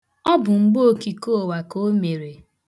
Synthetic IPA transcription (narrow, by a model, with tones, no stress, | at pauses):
ɔ˦bʊ˨ŋ͡m̩˦ɡ͡bo˦o˦˨ki˨ko˦˨wa˨ko˦me˨ɾe˨